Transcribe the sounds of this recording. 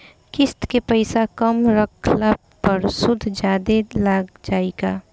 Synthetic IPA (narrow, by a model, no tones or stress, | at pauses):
kɪst̪kepəɪsakəmɾəkʰlab | pəɾsʊd̪ʱd͡ʒjaːd̪elaɡd͡ʒaːeɡaː